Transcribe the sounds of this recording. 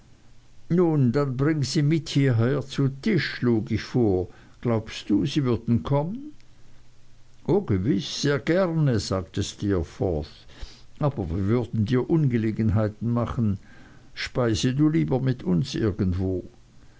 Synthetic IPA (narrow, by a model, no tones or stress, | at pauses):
nuːndanbʁɪŋəz̥iːmɪthiːɐɦɛːɐt͡sutʰɪʃːluːɡɪçfoːɐ | ɡ̥laʊpstd̥uːziːvʏɐdn̩kʰɔmən | ʔoːɡəvɪsz̥eːɐɡɛʁnəz̥aːktəstiːɐfɔ̰ːθʔaːbɐviːɐvʏɐdn̩diːɐʔʊnɡəleːɡən̩ɦaɪtn̩maχn̩ | ʃpaɪsəduːliːbɐmɪtʰʊnsʔɪ̰ɐɡən̩tv̥oː